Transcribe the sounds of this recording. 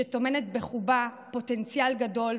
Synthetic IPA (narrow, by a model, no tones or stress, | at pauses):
eto̞me̞netbe̞χuba | po̞te̞nt͡sijalɡado̞l